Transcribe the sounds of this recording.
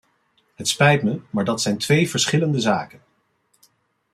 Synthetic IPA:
ɦətspɛjtməmaːɹdɑtsɛjntʋejvəɹsχɪləndəza̰ːkən

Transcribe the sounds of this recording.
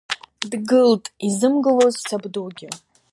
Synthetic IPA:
dɡɨltʼizɨmɡɨlozsabduɡʲɪ

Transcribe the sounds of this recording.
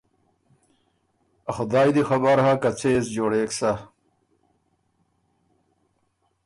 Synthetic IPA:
ɐxʊd̪aːjd̪ixɐbɐɾhakɐt͡sʰeːzd͡ʑoːɽeːksa

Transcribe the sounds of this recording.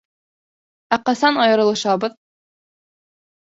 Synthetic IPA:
æqɑsɑnɑjɤ̆ɾɤ̆lˠɤ̆ʃɑbɤð

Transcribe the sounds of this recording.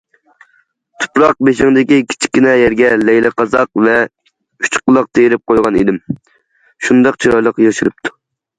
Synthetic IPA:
t̪ʰu̥pɾɑq̚beʃɪŋd̪ɪkʲikʲʰi̥t͡ʃʰi̥kʲːinɛjɛɾɡʲɛlɛjlɪqʰɑzɑqvɛ | y̥t͡ʃqʊlˠɑq̚t̪ʰejiɾɪp̚qʰojʁɑnid̪ɪm | ʃund̪ɑqt͡ʃʰiɾɑjlˠəqjɑʃɨɾɨp̚t̪ʰu̥

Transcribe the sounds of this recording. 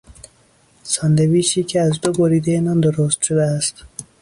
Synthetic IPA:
sɑːnd̪eviːʃiːcʰeæzd̪oboɾiːd̪ejenɒːnd̪oɾost̪ʃod̪eæst̪

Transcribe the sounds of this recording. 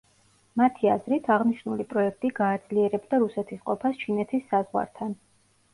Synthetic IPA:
mat̪ʰia̰zɾit̪ʰaʁniʃnulipʼɾɔɛkʰt̪ʼiɡaːd̪z̥liɛɾɛbd̪aɾusɛt̪ʰisqʼɔpʰast͡ʃʰinɛt̪ʰisːazʁwa̰ɾt̪ʰan

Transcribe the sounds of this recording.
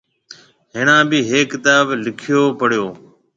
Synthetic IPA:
ɦɪɳãːbiːɦeːkːɪt̪aːblɪkʰɪjoːpəɽjoː

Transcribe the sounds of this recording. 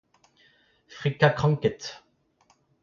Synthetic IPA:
fχikakχɑ̃ŋkɛt̪

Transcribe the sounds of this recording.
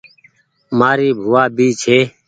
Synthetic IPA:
maːɾiːbʱʊːaːɓiːt͡ʃɦeː

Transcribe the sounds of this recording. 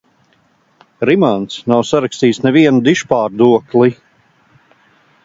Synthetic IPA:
ɾimant̪snawsaɾakst̪iːsnɛviɛnud̪iʃpaːɾd̪uɔklˠi

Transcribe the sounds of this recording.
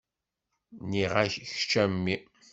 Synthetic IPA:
niʁaççt͡ʃːæmːi

